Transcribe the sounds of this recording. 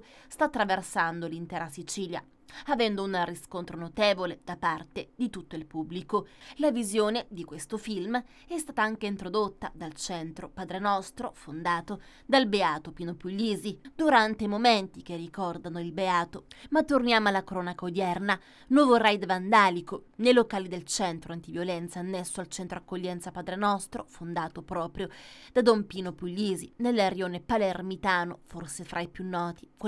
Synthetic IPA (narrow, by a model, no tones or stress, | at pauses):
st̪aːt̪ːɾaversand̪olint̪ɛːɾasit͡ʃiːlja̰ | avɛnd̪ounriskont̪ɾonot̪eːvoled̪̥apart̪ed̪it̪ut̪ːoilpubːlikolavizjoːned̪ikwest̪ofilm | ɛst̪aːt̪aaŋkeint̪ɾod̪ot̪ːa̰d̪alt͡ʃɛnt̪ɾopad̪ɾenɔst̪ɾofond̪aːt̪o | d̪albeaːt̪opinopuʎːiːzid̪uɾant̪eimoment̪ik̟erːikɔrd̪anoilbeaːt̪omat̪ːornjaːmoalːakɾɔːnakaod̪jɛrna | nwɔvorajd̪vand̪aːlikonejlokaːlid̪elt͡ʃɛnt̪ɾoant̪ivjolɛnt̪saːnːɛsːoalt͡ʃɛnt̪ɾoakːoʎːɛnt̪sapaːd̪ɾenɔst̪ɾofond̪aːt̪opɾɔːpɾjod̪ad̪ɔmpiːnopuʎːiːzinelːaɾjoːnepalermit̪aːno̰forsefɾʔaipjunːɔːt̪ik